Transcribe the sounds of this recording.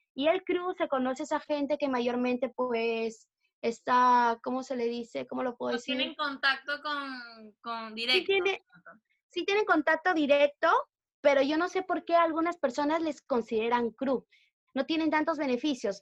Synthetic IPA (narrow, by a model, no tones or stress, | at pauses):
ielkɾuse̞ko̞no̞seesaxe̞nt̪e̞ke̞maʝo̞ɾmẽ̞nt̪e̞pwes | est̪ako̞mo̞se̞le̞ðise̞komo̞lo̞pweðeseneŋkont̪ak̚t̪okonkond̪iɾeit̪jene | sit̪je̞neŋko̞nt̪ak̚t̪o̞ðiɾek̚t̪o̞ | pe̞ɾo̞ʝo̞no̞se̞po̞ɾke̞alɣunaspe̞ɾso̞nazle̞sko̞nsiðe̞ɾaŋkɾu | no̞t̪je̞ne̞nt̪ant̪o̞zβene̞fisjo̞s